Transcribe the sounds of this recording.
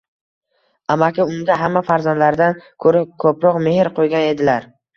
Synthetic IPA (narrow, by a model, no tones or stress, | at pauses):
amakʲɪʊnd̪aɦamːafaɾzand̪laɾɪd̪ankʰɵɾɪkʰɵpɾɒqme̞hɪɾqʰojɡʲane̞d̪ɪlaɾ